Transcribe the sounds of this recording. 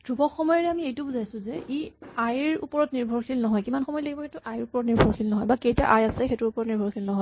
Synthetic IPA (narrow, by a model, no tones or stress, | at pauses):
d̥ubɔxɔmɔjɔɹɛamiejtʊbuzajsʊ̃zɛiajɹṵpɔɹɔtniɹbʱɔɹkʰilnɔɦɔjkimanxɔmɔjleɡibɔxetʊʔajɹupɔɹɔtniɹbʱɔɹkʰilnɔɦɔjbakejtaʔajasɛxetʊɹupɔɹɔtniɹbʱɔɹkʰilnɔɦɔj